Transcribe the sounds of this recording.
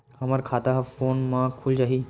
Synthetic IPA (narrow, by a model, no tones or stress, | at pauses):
hɐmaɾkʰaːt̪aɦafoːnmãkʰʊld͡ʒaːɦiː